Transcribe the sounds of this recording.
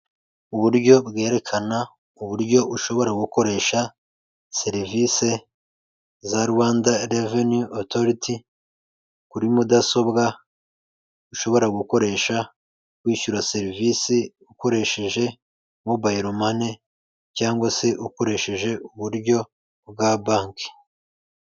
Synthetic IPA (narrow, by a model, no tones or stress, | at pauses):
uβuɾɟo̞bɡe̞ːɾe̞kʰana | uβuɾɟo̞uʃo̞βo̞ɾaɡuko̞ɾe̞ːʃa | se̞ɾivise̞ | zaɾuwaːndaɾevenjuʔotoɾitʰi | kuɾimudaso̞bɡa | uʃo̞βo̞ɾaɡuko̞ɾe̞ʃa | kwiːʃuɾase̞ɾivisi | uko̞ɾe̞ʃe̞ʒe̞ | mobaiɾomane | caːŋɡwase̞ʔuko̞ɾe̞ʃe̞ʒe̞uβuɾɟo̞ | bɡabaːŋke̥